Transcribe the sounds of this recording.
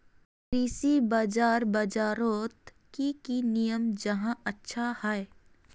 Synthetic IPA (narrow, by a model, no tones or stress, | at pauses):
ɾiːsibaːd͡ʒaːɾbad͡ʒaːɾoːt̪ | kikinijəmd͡ʒɐɦãɐtːʃʰahɛe